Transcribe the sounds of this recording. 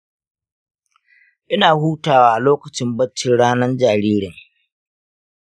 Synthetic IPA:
ʔɪ˦naː˨huː˦taː˨waː˦ʔa˨loː˦kɐ˨t͡ʃɪ˦mbɐ˦t͡ʃːɪ˨ɽaː˦nɐ˦nd͡ʒaː˨ɾiː˦ɽɪ˨ŋ

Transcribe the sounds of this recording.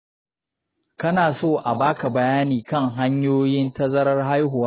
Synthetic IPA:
kɐ˦naː˨soː˦˨ʔa˨baː˦ka˨bɐ˨jaː˦niː˨kɐ˦ŋɦa˦ɲjoː˦jɪ˦ntɐ˦zɐ˦ɾɐ˦rɦa˦jɦʊ˨waː˦

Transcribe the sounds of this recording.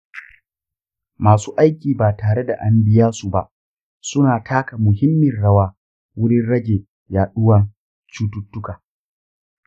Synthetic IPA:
maː˨suː˦ʔa˦jkʲiː˨baː˨taː˨ɽe˦da̰˨ʔa˦mbɪ˦jaː˦su˨ba̰˨ʔ | sʊ˦naː˨tʰaː˦ka˨mʊ˨ɦɪ˦mːɪ˨nɽɐ˦waː˦ | wʊ˦ɽɪ˦nɽɐ˦ɡʲeː˨ | jaː˨ɗʊ˦wɐ˦ŋ | t͡ʃuː˦tʊ˦tːʊ˦kaː˨

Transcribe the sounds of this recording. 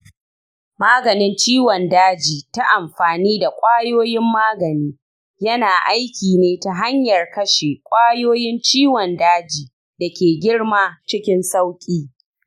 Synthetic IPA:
maː˦ɡɐ˨nɪ˦nt͡ʃiː˦wɔ˨ndaː˦d͡ʒiː˨ta˦ʔa˨mɸaː˨niː˦da˨kʷʼaː˦joː˦jɪ˦mːaː˦ɡɐ˨niː˦ | jɐ˦naː˨ʔa˦jkʲiː˨neː˦ta˨ɦa˦ɲjɐ˨rkɐ˦ʃeː˨kʷʼaː˦joː˦jɪ˦nt͡ʃiː˦wɔ˨ndaː˦d͡ʒiː˨ | dɐ˨kʲeː˨ɡʲɪ˦ɽmaː˦t͡ʃɪ˦kʲɪ˦nsa˦wkʲʼiː˦

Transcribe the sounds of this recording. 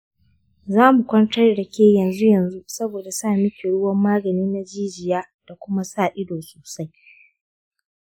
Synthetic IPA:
zaː˦mu˨kʷɐ˦ntɐ˦rdɐ˨kʲeː˦jɐ˨nzu˦jɐ˨nzu˦sɐ˦boː˨da˨saː˦˨mɪ˦kʲe˨ɽʊ˦wɐ˦mːaː˦ɡɐ˨niː˦na˦d͡ʒiː˦d͡ʒɪ˨jaː˦ | d̥a˨kʷʊ˦ma˦saː˦˨ʔɪ˦doː˨soː˨sa˦j

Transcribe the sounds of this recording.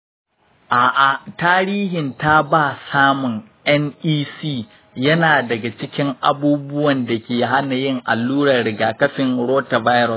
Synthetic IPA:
ʔaː˨ʔa˨taː˦ɾiː˦hɪ˨nta˦baː˦˨saː˦mʊ˨ŋ | ʔɛ˦nʔiː˦siː˦˨ | jɐ˦naː˨dɐ˨ɡa˨t͡ʃɪ˦kʲɪ˦ŋʔa˨buː˦bʊ˦wɐ˨nda˨kʲeː˨ɦa˦na˨jɪ˦ŋʔa˨lːuː˦ɽɐ˨rɽɪ˨ɡaː˨kɐ˦ɸɪ˨ŋɽoː˦ta˨vaː˦jɾɔ˨s

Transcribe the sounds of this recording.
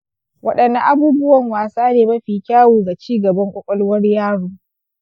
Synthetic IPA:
wʔɐ˦ɗɐ˨nːɐ˨ʔa˦buː˦bʊ˦wɐ˨ŋwaː˨saː˦neː˨mɐ˦ɸiː˨kʲaː˦wuː˨ɡa˨t͡ʃiː˦ɡɐ˨bɐ˦ŋkʷʼɔ˦kʷʼɔ˦lwɐ˦rjaː˦ɽuː˦

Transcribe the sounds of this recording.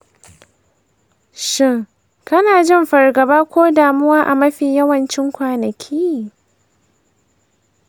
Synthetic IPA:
ʃɪ˦ŋ | kɐ˦naː˨d͡ʒɪ˦˨mɸɐ˨rɡɐ˨baː˦kʷoː˦daː˨mʊ˦waː˦ʔa̰˨mɐ˦ɸiː˨jɐ˦wɐ˨nt͡ʃɪ˦ŋkʷaː˨nɐ˨kʲʰiː˦

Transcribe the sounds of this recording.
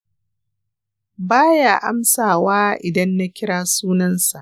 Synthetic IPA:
baː˦jaː˨ʔa˦msaː˨waː˦ʔɪ˨dɐ˦nːa˦kʲɪ˦ɽaː˦suː˦nɐ˦nsa˨ʔ

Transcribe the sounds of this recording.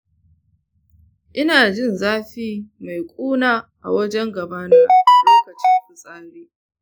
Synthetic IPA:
ʔɪ˦naː˨d͡ʒɪ˦nzaː˦ɸiː˦ma˨jkʷʼuː˦naː˦ʔa̰˨wɐ˦d͡ʒɛ˦ŋɡɐ˨baː˦naː˦ʔʔa˨loː˦kɐ˨t͡ʃɪ˦ŋɸʊ˨sʼaː˦leː˦

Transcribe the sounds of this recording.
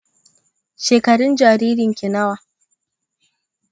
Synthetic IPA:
ʃeː˨kɐ˨ɽʊ˦nd͡ʒaː˨ɾiː˦ɾɪ˨ŋkʲɪ˨nɐ˦waː˨

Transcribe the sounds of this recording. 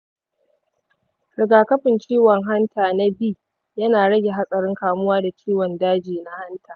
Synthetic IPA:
ɾɪ˨ɡaː˨kɐ˦ɸɪ˨nt͡ʃiː˦wɔ˨ŋɦa˦ntʰaː˨na˦biː˦ | jɐ˦naː˨ɽɐ˦ɡʲe˨ɦa˦sʼɐ˨ɽɪ˦ŋkaː˨mʊ˦waː˦da˨t͡ʃʰʲiː˦wɔ˨ndaː˦d͡ʒiː˨na˦ha˦ntʰaː˨

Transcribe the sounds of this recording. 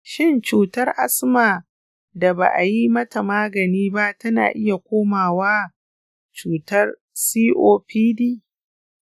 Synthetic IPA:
ʃɪ˦nt͡ʃuː˨tɐ˦rʔa˦smaː˨ | da˨ba̰ː˨ʔa˨ji˦mɐ˦ta˨maː˦ɡɐ˨niː˦ba˦tɐ˦na̰ː˨ʔɪ˦ja˨kʷoː˦maː˨waː˦ | t͡ʃuː˨tɐ˦r | siː˦ʔoː˦ɸiː˦diː˦

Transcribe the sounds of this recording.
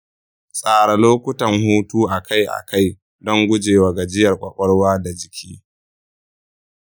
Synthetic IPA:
sʼaː˨ɽa˨loː˦kʷʊ˦tɐ˨ŋhuː˦tuː˦ʔa˨ka˦jʔa̰˨ka˦j | dɔ˦ŋɡʷʊ˦d͡ʒeː˨wa˨ɡa˨d͡ʒɪ˦jɐ˨rkʷʼɐ˨kʷʼɔ˦ɽwaː˦da˨d͡ʒɪ˨kʲʰiː˦

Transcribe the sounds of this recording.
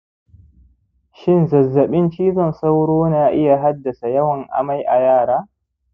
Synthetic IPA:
ʃɪ˦˨nzɐ˨zːɐ˨ɓɪ˦nt͡ʃiː˦zɔ˦˨nsa˦wɽoː˦naː˨ʔɪ˦ja˨ɦa˦dːɐ˨sa˨jɐ˦wɐ˨ŋʔa̰˨ma˦jʔa˨jaː˦˨ɽaː˦

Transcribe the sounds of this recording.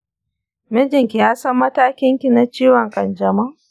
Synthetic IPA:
mɛ˦d͡ʒɪ˨ŋkʲi˨jaː˦sɐ˦mːɐ˦taː˦kʲɪ˦ŋkʲi˨na˨t͡ʃiː˦wɔ˨ŋkʼɐ˨nd͡ʒɐ˨ma˦ʔ

